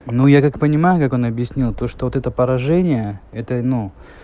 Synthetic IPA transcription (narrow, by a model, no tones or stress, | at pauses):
nujakakpənʲɪmajʊkako̞nɐbjɪsʲnʲilˠt̪o̞ʂt̪ovot̪ɛt̪əpəɾɐʐɛnʲɪjəɛt̪ənu